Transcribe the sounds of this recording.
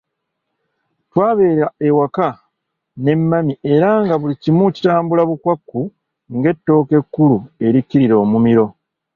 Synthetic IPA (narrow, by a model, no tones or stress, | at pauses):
twaːβe̞ːɾaewaka | ne̞mːamie̞ɾaŋɡaβulicimuci̥taːmbulaβukwakːu | ŋɡe̞tːo̞ːke̞kːulue̞ɾicːiɾiɾo̞ːmumiɾo̞